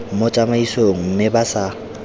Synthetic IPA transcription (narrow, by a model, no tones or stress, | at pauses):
mot͡ʃʼamaisoŋ̩m̩mɪbasa